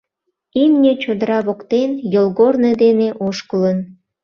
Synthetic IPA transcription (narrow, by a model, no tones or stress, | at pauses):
imnʲet͡ɕod̪əɾɑβokt̪enjolɣorned̪eneʔoʃkələn